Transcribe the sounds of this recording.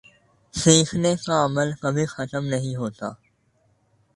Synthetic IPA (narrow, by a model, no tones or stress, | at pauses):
sĩːxʰneːkaːəməlkəbʱĩxət̪əmnəɦĩɦoːt̪aː